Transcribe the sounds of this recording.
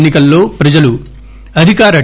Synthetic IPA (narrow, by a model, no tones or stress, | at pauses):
nːikɐlːo̞ːpɾɐd͡ʒɐlu | ɐd̪ʱikaːɾɐ